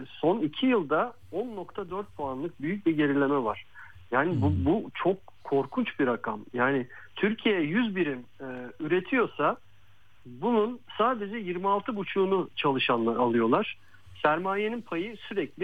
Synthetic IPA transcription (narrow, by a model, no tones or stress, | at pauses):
so̞nicʰijɯlˠd̪a | o̞nːo̞kt̪ʰad̪øɾt̪̚pʰuanlˠɯk̚byjyc̚biɟe̞ɾilʲe̞mɛvaɾ̥ | jaːnɪbubut͡ʃʰo̞kʰːo̞ɾkʰunt͡ʃbiɾakʰamjaːnɪ | t̪ʰyɾcʰijejɛjyzbiɾimːyɾe̞t̪ʰijo̞sa | bununsaːd̪e̞d͡ʒɛjiɾmialˠt̪ʰɯbut͡ʃʰuːnut͡ʃʰalˠɯʃanaalˠɯjo̞lˠaɾ̥ | sæɾmaːje̞ninpʰajɯsyɾɛclʲɪ